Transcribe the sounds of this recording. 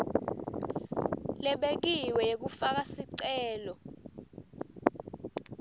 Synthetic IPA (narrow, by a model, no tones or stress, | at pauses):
lɛɓek̬iwɛjek̬ufak̬asiǀɛːlɔ